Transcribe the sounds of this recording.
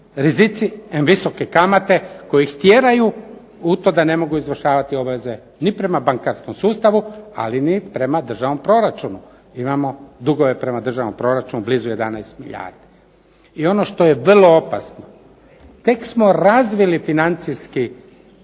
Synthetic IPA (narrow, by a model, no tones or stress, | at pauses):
ɾizit̪sienʋiso̞kekamat̪e̞ko̞jixt̪je̞ɾaju | ut̪o̞d̪ane̞mo̞ɡuizʋr̩ʃaːʋat̪io̞baʋe̞ze̞ | nipɾe̞mabaŋkaɾsko̞msuːst̪aʋua̰linipɾe̞mad̪r̩ʒaʋno̞mpɾo̞ɾat͡ʃunu | imamo̞d̪uɡo̞ʋe̞pɾe̞mad̪r̩ʒaʋnompɾo̞ɾat͡ʃunubliːzuje̞d̪anajst̪miʎa̰ːɾd̪i̥ | io̞no̞ʃt̪o̞je̞ʋrlo̞opa̰sno | t̪e̞ksmo̞ɾazʋilifinant̪sijski